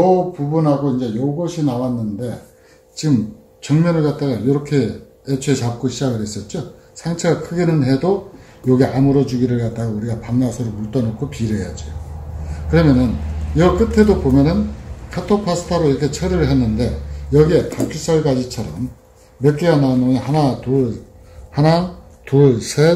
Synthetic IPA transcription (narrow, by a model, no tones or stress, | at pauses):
ʌpubunɦaɡoind͡ʑe̞joɡʌɕʰinawanːɯnde̞ | t͡ɕiɡɯm | t͡ɕʌŋmjʌnɯɭkat̚t͈aɡajoɾʌkʰe̞ | et͡ɕʰwet͡ɕap̚k͈oɕʰid͡ʑaɡɯɾɦes͈ʌt̚t͡ɕ͈o | sʰaŋt͡ɕʰeɡakʰɯɡenɯnɦe̞do | joɡiamuɾʌd͡ʑuɡiɾɯɭkat̚t͈aɡauɾiɡapaŋnasʰʌɾomuɭt͈ʌnokʰopiɾejad͡ʑiokɯɾʌmjʌnɯnjʌk͈ɯtʰe̞dobomjʌnɯnkʰatʰopʰasʰɯ̥tʰaɾoiɾʌkʰe̞t͡ɕʰʌɾɯɯɭɦe̞nːɯnde̞jʌɡie̞takʰis͈ʌɭɡad͡ʑit͡ɕʰʌɾʌmː | ek͈eɡananoŋihanatu | hana | tuɭsʰe